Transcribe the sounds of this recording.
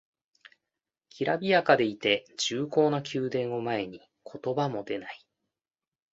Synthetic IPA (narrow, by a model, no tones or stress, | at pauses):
kʲiɾabʲijakad̪e̞it̪e̞d͡ʑɨːko̞ːnakʲɨːd̪ẽ̞ɰ̃o̞mae̞ɲ̟i | kʰo̞t̪o̞bamo̞d̪e̞nai̥